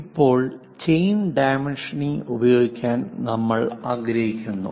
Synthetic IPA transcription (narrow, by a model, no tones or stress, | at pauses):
ipːo̞ːɭ | t͡ɕejnɖajmenʂɐniubɐjo̞ːɡikʲːaːnnɐmːɐɭaːɡɾɐɦikʲːunːṵ